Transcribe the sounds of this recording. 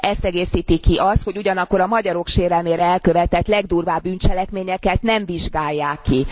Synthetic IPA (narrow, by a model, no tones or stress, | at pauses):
ʔɛst̪ɛɡeːsiːt̪ikiʔɒst̪ho̞ɟuɟɒnɒkːo̞ɾɒmɒɟɒɾo̞kʃeːɾɛlmeːɾɛɛlkø̞vɛt̪ɛt̪lɛɡd̪uːrvaːbːyːnt͡ʃɛlɛkmeːɲɛkɛt̪nɛɱviʒɡaːjːaːkːi